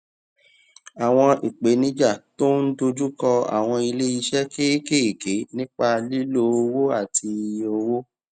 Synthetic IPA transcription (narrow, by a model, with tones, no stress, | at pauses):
a˨w̃ɔ̃˧ʔi˨k͡pe˨˦nĩ˦d͡ʒa˦˨to˦n̩˦do˧d͡ʒu˦kɔ˧a̰˨w̃ɔ̃˧i˧le˦i˧ʃɛ˦ke˦ke˦i˨ke˨˦nĩ˦k͡pa˧li˦lo˦o˧wo˦a˦˨ti˧o˧wo˦